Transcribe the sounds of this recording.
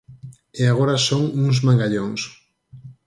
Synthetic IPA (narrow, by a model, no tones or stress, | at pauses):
eaɣ̞oɾasoŋuŋzmãŋɡaʎoŋs